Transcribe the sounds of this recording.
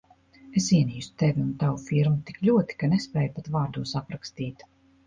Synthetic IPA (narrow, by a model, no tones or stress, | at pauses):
esiɛniːsu̥t̪evʲiunt̪awufiɾmut̪i̥klʲuɔt̪i̥kanespɛːjupat̪vaːɾd̪uːsapɾakst̪iːt̪